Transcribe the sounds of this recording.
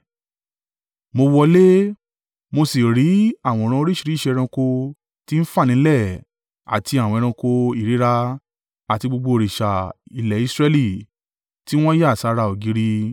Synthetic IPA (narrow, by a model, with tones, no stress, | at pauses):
mo˧wɔ˧le˦ | mo˧si˨ɾi˨˦a˦˨w̃ɔ̃˧˨ɾ̃ã˧o˧ɾi˦ʃi˦˧ɾi˦ʃɛ˧ɾ̃ã˧ko˧ | ti˦n̩˦fa˦˨nĩ˨˦lɛ˦˨ | a̰˨tʰi˧a˨wɔ̃˧ɾ̃ã˧ko˧i˦˨ɾi˨˦ɾa˧ | a˨ti˧ɡ͡bo˧ɡ͡bo˧˨ɾi˨ʃa˨i˧lɛ˨i˧sɾɛ˧li˦˨ | ti˦w̃ɔ̃˦ja˦˨sa˧ɾa˧˨o˨ɡi˨˧˦ɾi˧